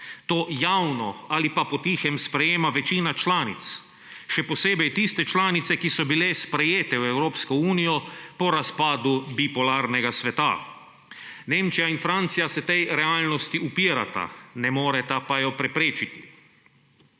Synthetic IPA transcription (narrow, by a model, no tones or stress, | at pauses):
t̪oːjawnɔalipapɔt̪iːxɛmspɾɛjeːmaʋɛt͡ʃiːnat͡ʃlaːnit̪s | ʃɛpɔseːbɛjt̪ist̪ɛt͡ʃlaːnit̪sɛkisɔbilɛspɾɛjeːt̪ɛwɛwɾoːpskɔuːnijɔpɔɾaspaːd̪ubipɔlaːɾnɛɡasʋɛt̪a̰ | neːmt͡ʃijainfɾant̪sijasɛt̪ɛjɾɛaːlnɔst̪iupiːɾa̰t̪a̰nɛmoːɾɛt̪apajɔpɾɛpɾeːt͡ʃit̪i̥